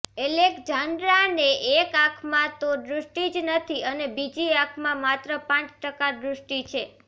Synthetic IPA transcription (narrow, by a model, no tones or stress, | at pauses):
elekd͡ʒanɾaneʔekãkʰmãt̪oɖɾʊsʈid͡ʒnət̪ʰiənebid͡ʒiãkʰmãmat̪ɾəpãt͡ʃʈəkad̪ɾusʈit͡ʃʰe